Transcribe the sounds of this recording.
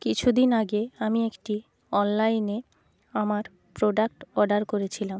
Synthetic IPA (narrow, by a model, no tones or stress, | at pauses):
kit͡ɕʰud̪inaɡeamiekʈi | ɔnlaine | amaɾ | pɾoɖak̚ʈɔɾɖaɾkoɾet͡ɕʰilam